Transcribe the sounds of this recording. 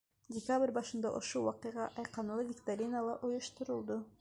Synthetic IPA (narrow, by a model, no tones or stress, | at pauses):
dʲɪkabrʲbɑʃɯnd̪ɑ̰ʔoʃulˠwɑqɯjʁɑʔɑjqɑnɯlˠɯvʲɪkt̪aɾʲinəlˠɑʔojuʃt̪uɾulˠd̪u